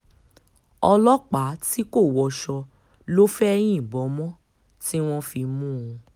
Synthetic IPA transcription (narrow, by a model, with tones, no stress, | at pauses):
ɔ˧lɔ˦k͡pa˨˦ti˦ko˦˨wɔ˧ʃɔ˧ | lo˦fɛ˦ɛ˧j̃ĩ˦˨bɔ˨˦mɔ̃˦ | ti˦w̃ɔ̃˦fi˧mũ˦ũ˧